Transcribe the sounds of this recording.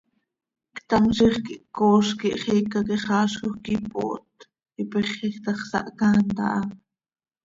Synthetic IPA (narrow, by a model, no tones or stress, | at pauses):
kt̪ɑmʃiχkiʔkoːʃkiʔχiːkɑkiχɑːʃkoχkipo̰ːʔt̪ | ipɛχikt̪ɑχsɑ̰ʔkɑːnt̪ɑ̰ʔɑ